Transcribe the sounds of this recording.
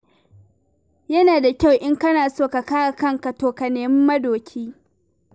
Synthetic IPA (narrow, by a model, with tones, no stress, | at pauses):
jɐ˦naː˨da˨kʲa˦˨wʔɪ˦ŋkɐ˦naː˨soː˦˨ka˨kaː˦a˨kɐ˦ŋka˨toː˨ka˨neː˨mɪ˦mːɐ˦doː˨kʲʰiː˦